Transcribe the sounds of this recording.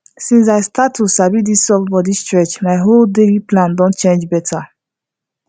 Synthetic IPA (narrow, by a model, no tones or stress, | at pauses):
sĩns̬aɪstatːusabidisɔfbɔdistɹɛt͡ʃmaɪɦoldeliplãndõntt͡ʃẽnd͡ʒbɛtʰa